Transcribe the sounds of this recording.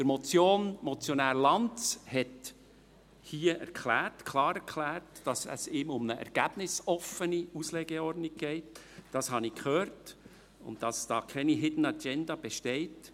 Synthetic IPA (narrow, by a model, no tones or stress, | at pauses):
d̥əɾmɔt͡sjoːnmɔt͡sjonæːɾlɑnt͡shɛt | hiːəʔɛ̰ɾkʰlæːrtkʰlɑːɾɛɾkʰlæːɾtd̥ɑsə̰sɪːmʊmnəʔɛ̰ɾɡ̥æb̥nɪsɔfəniuslɛɡeɔrdnɪk̚ɡ̥ɛɪt | d̥ɑshɑnikhøːɾt | ʊ̰ndd̥ɑsd̥ɑːkʰɛniɦɪdn̩ɑɡɛnd̪ɑb̥ɛʃtɛɪt